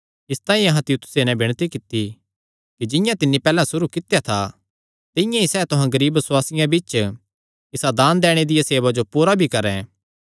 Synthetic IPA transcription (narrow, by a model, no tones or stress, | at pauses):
ɪst̪ãːĩɐɦãt̪ɪjuːt̪ʰʊ̥senɛ̃bɪɽ̃t̪ikɪt̪ːi | kid͡ʒɪjãt̪ɪnːipɛːlãsʊɾukɪt̪ːjat̪ʰa | t̪ɪ̃jãisɛːt̪ʊɦãɡɐɾiːbːəswaːsɪjãbɪt͡ʃ | ɪsad̪aːnd̪ɛːɽ̃ed̪ɪjaseːʋad͡ʒopuːɾabʱikɐɾɛ̃